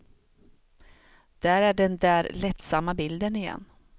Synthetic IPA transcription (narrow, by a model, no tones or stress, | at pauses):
d̪̥æːɾæɖɛnd̪æːɾlɛt̪samːabɪld̪ənɪjɛ̰nː